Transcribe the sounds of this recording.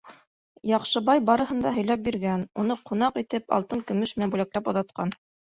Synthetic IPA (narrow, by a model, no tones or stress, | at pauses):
jɑqʃɤ̆bɑjbɑɾɤ̆hɤ̆nd̪ɑɦɵ̆jlæp̚biɾɡænunɤqʰun̪ɑqit̪ɘpɑ̰lˠt̪ɤŋkɵ̆mɵʃmɘ̆nænbulæklæpŏðɑt̪qɑn